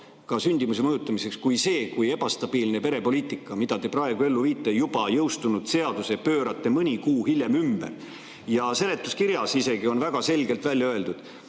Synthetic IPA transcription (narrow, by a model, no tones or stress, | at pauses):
kɑsynʲd̪imus̬e̞mɤjut̪ːˑɑmise̞kskujse̞ːkuje̞b̥ɑst̪ɑb̥iːlne̞pe̞ɾe̞po̞liːt̪ːˑikːˑɑmid̪̥ɑd̪e̞prɑe̞ɡ̥ue̞lːuviːt̪ːˑe̞jub̥ɑjɤwst̪unud̪̥se̞ɑd̪̥use̞pø̞ːɾɑt̪ːe̞mɯnʲikuːhilʲje̞mymbḛr | jɑse̞le̞t̪ˑːuskiɾjɑsise̞ɡio̞nvæɡ̥ɑse̞lʲɡe̞lt̪vælʲjɑøe̞ld̪ud̪̥